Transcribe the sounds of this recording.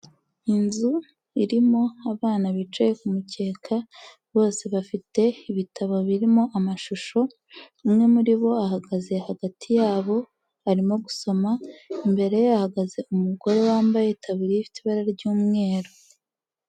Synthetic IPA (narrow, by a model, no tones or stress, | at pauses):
inzu | iɾimo̞aβaːnaβit͡ʃejekumuce̞ːkʰa | βo̞ːse̞βafite̞iβitʰaβo̞βiɾimo̞ʔamaʃuʃo̞ | umŋe̞muɾiβo̞aɦaɡaze̞haɡatʰijaːβo̞ | aɾimo̞ɡuso̞maimbe̞ɾe̞joahaɡaze̞ʔumuɡo̞ɾe̞waːmbajetʰaβiɾeifitiβaɾaɾɟuːmŋe̞ːɾo